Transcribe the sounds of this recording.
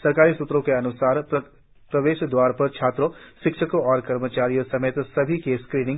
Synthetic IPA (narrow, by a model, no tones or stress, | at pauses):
sɐɾkaːɾisut̪ɾõkeɐnʊsaːɾ | pɾɐʋeːʃd̪waːɾpɐɾt͡ʃʰaːt̪ɾõʃɪkʃəkõɔːɾkɐɾmət͡ʃaːɾijõsɐmeːt̪sɐbʱikeskɾiːnɪ̃ŋ